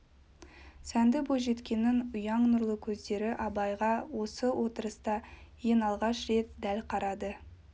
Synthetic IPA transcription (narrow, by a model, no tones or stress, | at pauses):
sænd̪ɪboʒe̞t̪kʲe̞nɪnʊjɑɴnʊɾlˠəkʲʰɵzd̪e̞ɾɪʔɑbɑjʁɑwo̞səwʔo̞t̪əɾəst̪ɑjenɑlˠʁɑʃɾe̞t̪̚d̪ælqʰɑɾɑd̪ə